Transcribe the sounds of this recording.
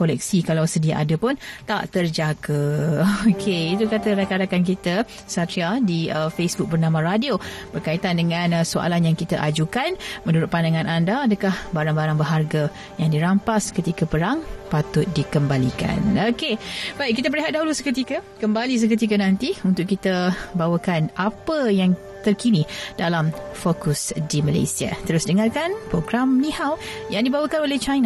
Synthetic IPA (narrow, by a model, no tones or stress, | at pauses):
kolɛk̚sikalawsədiaʔadəpʊnt̪a̰ʔt̪ərd͡ʒaɡəokʰeit̪ukat̪əɾakaɾakankit̪ə | sat̪iadiəfesbʊk̚bərnamãɾadiob̥ərkait̪andəŋãnsoʔa̰lanjaŋkit̪aʔad͡ʒukanmə̃nuɾʊt̪̚pandaŋãnʔandaːdəkahbaɾaŋbaɾaŋbəɦarɡa | jaŋdiɾampaskət̪ikəpəɾaŋpat̪ʊt̪̚dikəmbalika̰nokebaiʔ̚k̬ːit̪əpəɾiɦat̪̚daɦulusə̥kət̪ikəkəmbalis̬ək̬ət̪̬ik̬ənant̪iunt̪ʊkit̪əbawəkanʔapəjaŋ | t̪ərkinid̥alamfokusdimala̰jsia̰t̪əɾʊsdəŋarkanpɾoɡɾamnihaw | jaŋdibawəkanoleht͡ʃajna